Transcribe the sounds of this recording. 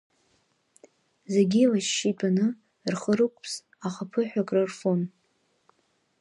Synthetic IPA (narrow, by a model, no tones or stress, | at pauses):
zeɡʲilaʃʃitʼanɨ | rχəɾɨkʷʼpʰs | aχapʰɨħʷᶣakʼrarfon